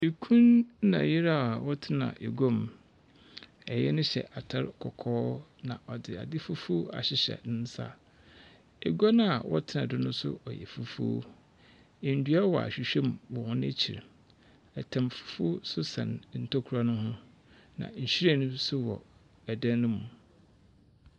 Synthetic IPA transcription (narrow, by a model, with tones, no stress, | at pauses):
e˨kʰũ˦nːã̰˨jɪ˦ɾa˦˨wɔ˦tʰɪ˦nã̰˨ʔe˨ɡɔ˦m˨ | ɛ˨jɛ̰˦nʊ̃˦ɕɛ̰˨ʔa˨tʰa˦ɾkʰɔ˨kʰɔː˦nã˨ʔɔ˨dɪ˨a̰˨dɪ˦fu˦fu˦a̰˨ɕɪ˨ɕɛ̰˨nɪ̃˦n̩˦sa̰˦ | e˨ɡɔ˦nʊ̃˦a˨wɔ̰˦tʰɪ˦nã˨dɪ˦nʊ̃˦sʊ̰˦ɔ˨jɛ̰˨fu˦fṵ˦o̰˦˨ | n̩˨dɥa˦wɔ˨a̰˨ɕᶣi˨ɕᶣɛ̃˦˨m˨wɔ˨hʊ̃˦n˦æ˦t͡ɕʰi˨ɾ | ɛ˨tʰã˨mfu̥˦fu˦sʊ˦sã̰˨nn̩˨tʰo˦kʰu˨ɾa˦nʊ̃˦ɦʊ̃˦ | nã̰˨ɲ̩˨ɕᶣi˦ɾa˦˨nʊ̃˦sʊ˦wɔ̰˨ | æ˨dã˦nːʊ̃˦mũ˨